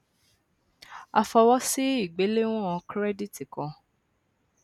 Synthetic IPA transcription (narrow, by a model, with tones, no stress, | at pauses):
a˨˧fɔ˧wɔ˦si˦i˦˨ɡ͡be˨˦le˦w̃ɔ̃˦ɔ̃˧kɾɛ˦di˦˨ti˨kɔ̃˧